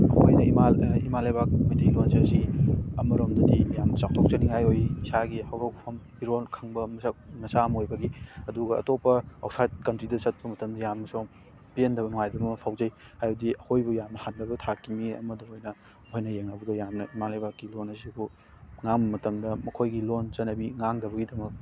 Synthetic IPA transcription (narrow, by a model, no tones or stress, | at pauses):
ɐho̰jnɐimaimalajbak̚majtʰelonzaziɐmɐɾomdɐdijamnɐt͡ʃak̚tʰok̚t͡ʃɐniŋɦajojisaɡihawɾɐwpʰɐm | iɾonkʰɐŋbɐmɐnɐsamojbɐɡiɐduɡɐɐ̰topːɐɐ̰wsajt̚kɐntɾidɐt͡ʃɐt̚pɐmɐtɐmdɐjamnɐso | pijendɐβɐnuŋajdɐmɐpʰawzɐjhajɐdiɐhojbujamnɐhandɐbɐtʰakːimiɐ̰mɐdɐmojnɐ | hojnɐjeŋnabudɐjamnɐimanlajbakːilonɐzibu | ŋaŋbɐmɐtɐmdɐmɐkʰojɡilont͡ʃɐnːɐbiŋaŋdɐbɐɡidɐmɐk̚